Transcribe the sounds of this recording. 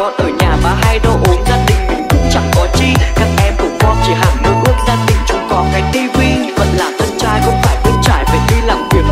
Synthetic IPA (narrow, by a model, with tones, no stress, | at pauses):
ɔ˨˩nʔəː˨˩jɲaː˨˩maː˨˩ɦa˧jɗo˧ʔu˨˦nzaː˧t̪ï˧˨˩ŋ̟kʊ̰˧˥ŋ͡mkʊ̰˧˥ŋ͡mt͡ɕa˧˩ŋkɔ˨˦t͡ɕi˧kaː˦˥k̚ʔɛ˧mkʊ̰˧˥ŋ͡mkɔ˧˦nt͡ɕi˧˩ɦa̰ː˧˩nɗɨ˦˥ək̚ʔu˦˥ək̚zaː˧t̪ï˨˩ŋ̟t͡ɕʊ˧˦wŋ͡mkɔ˨˩nfa˨˩˦jt̪i˧vi˧və̰˧˨nlaː˨˩mt̪ʰə˧nt͡ɕaː˧jxə̰˧wŋ͡mfaː˧˩jɓu˨˦t͡ɕa̰ː˧˨jve˨˩li˧la̰˨˩ŋ͡mvi˨˩ək̚